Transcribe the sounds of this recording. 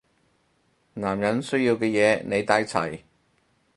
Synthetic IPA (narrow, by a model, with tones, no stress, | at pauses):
naː˨˩mjɐ˨˥nsɵ˥ɥjiː˧wkɛː˧jɛː˨˧˦ne˨˧jt̪aː˨˥jt͡sʰɐ̰˨˩j